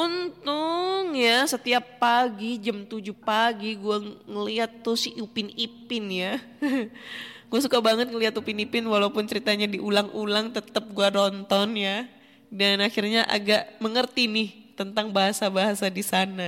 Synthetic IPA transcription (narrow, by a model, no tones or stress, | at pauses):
ʔunt̪ʊŋjasət̪iapːaɡid͡ʒamt̪ud͡ʒʊhpaɡiɡuaŋəliɦat̪ːʊsɪupɪnipɪnja | ɡ̥uasukabaŋət̪̚ŋəliat̪upɪnipɪnwalaupʊnt͡ʃəɾit̪aɲadiʔulaŋulaŋt̪ət̪əp̚ɡuaɾɔnt̪ɔnja | danaxirɲaʔa̰ɡaʔməŋərt̪inɪht̪ənt̪aŋbaɦasabaɦasadisana